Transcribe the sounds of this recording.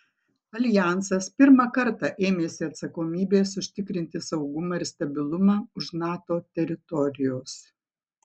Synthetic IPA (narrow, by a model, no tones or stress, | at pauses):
ɐlʲɪjæˑnsɐspʲɪɾmɐkɐɾt̪ɑʔeːmʲeːsʲɪɐt̪sɐkoːmʲiːbʲeːsʊʃʲt̪ʲɪkɾʲɪnʲt̪ʲɪsɐʊɡʊmɐɪɾst̪ɐbʲɪlˠʊmɑʊʃnɑːt̪oːt̪ʲɛɾʲɪt̪ɔɾʲɪjoːs